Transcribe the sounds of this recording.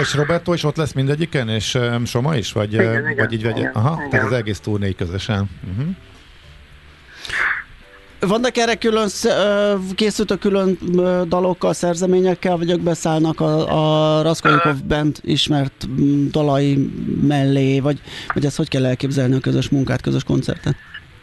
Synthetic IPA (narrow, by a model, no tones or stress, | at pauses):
eʃro̞bɛrt̪oːiʃo̞t̪lɛsmind̪ɛɟːikɛneːʃʃo̞mɒiʃʋɒ̰ɟvɒɟiːɟvɛɟɛ̰ɒɦɒt̪aːt̪ɒzɛɡeːst̪uːrneːjkøzøʃɛn̩ɦ̩ | vɒnːɒkɛrɛkyløns | keːsylt̪økːylønd̪ɒlo̞kːɒlsɛrzɛmeːɲɛkːɛlvɒɟoɡbɛsaːlnɒkɒɒrɒskolikovbɛnt̪ḭʃmɛrt̪d̪ɒlɒjimɛlːeːvɒɟvɒɟɛst̪ho̞ckɛlːɛlkeːbzɛlniɒkø̞zøʃmuŋkaːt̪køzø̞ʃko̞nt̪sɛ̰rt̪ɛn